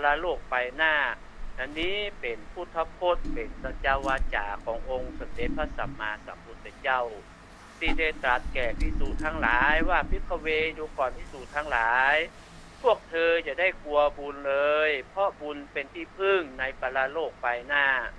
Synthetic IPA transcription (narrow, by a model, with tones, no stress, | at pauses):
pa˧laː˧loː˥˩k̚pa˧jnaː˧˥˩ | a˧nːiː˧˥˨pe˨˩npʰuː˧˩t̪ʰːa˧p̚kʰo˧˥˩t̪̚pe˨˩nsa˧t͡ɕa˧waː˧t͡ɕa̰ː˨˩kʰɔː˨˦ŋʔo˧ŋsa˨˧˦mde˨˩t̪̚pʰa˧sa˨˦mːaː˧sa̰˨˦mpʰu˧˥t̪̚sa˧˦t͡ɕa˧˥˩w | sʰiː˧˩da˧˩jt̪ɾa˧˦˩t̪̚kɛː˨˩pʰi˧˩suː˨˩t̪ʰaː˧˩ŋlaː˨˦jwaː˧˩pʰi˧˥˩kʰːa˧˩weː˧juː˧kɔː˨˩npʰiː˧˥˨suː˨˩t̪ʰaː˧˩ŋlaː˨˦j | pʰu˥˩ək̚t̪ʰɤː˧t͡ɕa˧˩da˥˩jku˧ɐbu˧nlɤː˧jpʰɔ˧˥bu˧npe˨nt̪ʰiː˧˩pʰɯ˧˩ŋna˧jpa˧laː˧loː˥˩k̚pa˧jnaː˧˥˩